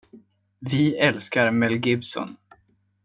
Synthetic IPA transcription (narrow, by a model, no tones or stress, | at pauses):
vɪɛlskaɾmɛlɡɪbsɔ̰n